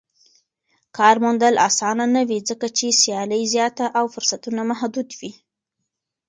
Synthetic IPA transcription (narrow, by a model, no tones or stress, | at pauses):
kɑɾmund̪əlʔɑ̰sɑnanawid͡zəkat͡ʃesjɑləjzjɑt̪aʔawfʊɾsat̪unamahd̪ud̪wi